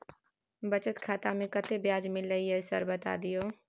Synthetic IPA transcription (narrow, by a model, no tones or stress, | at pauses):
bɐt͡ʃət̪kʰaːt̪amẽkɐt̪ebjaːd͡ʒmɪlːəɦiɦɛsɐ̰ɾbɐt̪a̰ːd̪ijoː